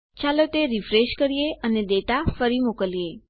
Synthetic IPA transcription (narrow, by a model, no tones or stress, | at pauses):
t͡ʃalət̪eɾifɾeʃkəɾijeʔəned̪eʈ̪afəɾimukəlije